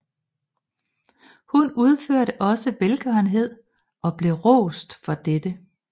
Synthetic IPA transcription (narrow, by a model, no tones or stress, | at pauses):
hunuð̞ˠføɐ̰ɾəʔɒ̽səʋelɡ̥ɶɐn̩ɦe̝ð̞̰ˠ | ɒ̽b̥le̝ʁɔ̰ːsd̥fɒ̽d̥ed̥ə